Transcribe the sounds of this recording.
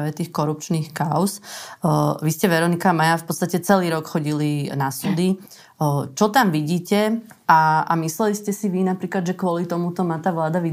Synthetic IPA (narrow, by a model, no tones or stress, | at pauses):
ʋɛt̪iːxkɔɾup̚t͡ʃniːxkaʊs | ʋiscɛʋɛɾɔnikamajafpɔt̪st̪acɛt͡sɛliːɾɔkxɔɟilinasuːd̪i | t͡ʃɔt̪amʋiɟiːcɛ | aa̰mislɛliscɛsiʋinapɾiːklad̪ʒɛkʊɔlit̪ɔmut̪ɔmaːt̪aːʋlaːd̪aʋi